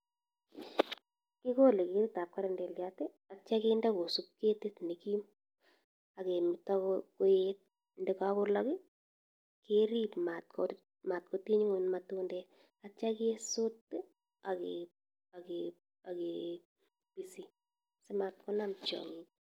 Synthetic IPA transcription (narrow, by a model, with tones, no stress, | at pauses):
kɪ˦ko˦le˨ke˨ɾi˦ta˨p̚ka˦ɾɛ˨ndɛ˨ljate˦ | a˨t͡ʃa˦ke˦nda˦ko˨su˦p̚ke˦te˦tne˨ki˦m | a˨ke˨mɪ˨takko˦jet̚ | ndɛ˨kakʊ˦lakɪ˦ | ke˦ɾi˦pma˨t̚kɔ | ma˨t̚ko˨ti˦ɲu˦ŋo˨nmatundɛ | at͡ʃa˦ke˦so˦t | a˨ke | a˨ke | a˨ke | pi˨si˨ | se˦ma˨t̚kɔ˦na˦mt͡ʃɔ̰˨ŋi